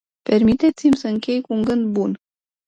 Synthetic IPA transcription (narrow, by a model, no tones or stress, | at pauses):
pe̞rmit̪e̞t̪simʲsəɨŋkʲe̞jkuuŋɡɨnd̪bun